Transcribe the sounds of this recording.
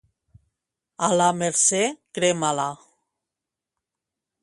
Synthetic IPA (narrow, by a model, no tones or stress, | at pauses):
alameɾsekɾemala